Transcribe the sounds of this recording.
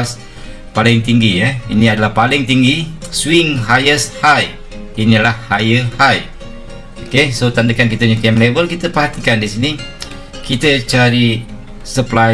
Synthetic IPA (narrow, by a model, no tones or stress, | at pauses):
s | palɪŋt̪iŋɡijainiadalahpalɪŋt̪iŋɡiswɪŋɦajəshaj | inilahhajəhaj | okesot̪andəkankit̪əɲakɛmlebəlkit̪əpərɦat̪ikandisini | kit̪ət͡ʃaɾi | səpla